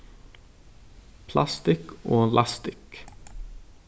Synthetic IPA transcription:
pʰlɑst̪ɪkoːlʔɑst̪ɪk

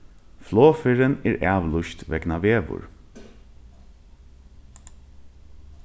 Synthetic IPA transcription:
floːfɪɹəneːɹʔæːʋlʊʃt̪ʋɛ̰knɑʋeːʋʊ̰ɹ

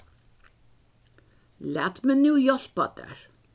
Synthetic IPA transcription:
læ̰ːt̪mɛnʉːjɔl̥pɑd̪æ̰ɹ

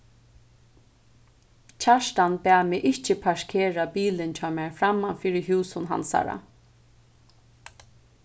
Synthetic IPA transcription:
t͡ɕʰaʃt̪anbæːmɪʔɪht͡ʃɪpʰaʂkʰeːɹapiːlɪnt͡ɕʰɑːmæːɹfɾamːanfiːɾɪɦuːsʊnɦa̰nsa̰ɾa̰

